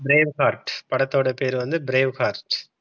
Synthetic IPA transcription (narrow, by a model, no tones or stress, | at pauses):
bɪɾeːʋhaːɾʈpɐɽɐt̪ːoːɽɐpeːɾʋɐnd̪ɯbɪɾeːʋhaːɾʈ